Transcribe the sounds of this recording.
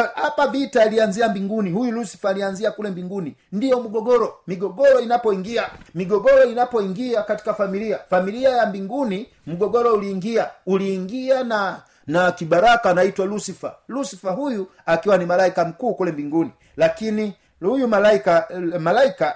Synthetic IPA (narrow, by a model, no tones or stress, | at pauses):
hapavitaliand͡ʒiambiŋɡuniɦujulusi̥faːlianziakulɛmbiŋɡunindijɔm̩ɡɔɡɔɾɔmiɡɔɡɔɾɔinapɔiŋɡiamiɡɔɡɔɾɔinapɔiŋɡiakati̥kafamiliafamiliajambiŋɡuni | m̩ɡɔɡɔɾɔuliːŋɡiauliːŋɡiana | nakibaɾakanaitwalusifalusifaɦuju | akiwanimalaikam̩kuːkulɛmbiŋɡuni | lakini | hujumalaikamalaika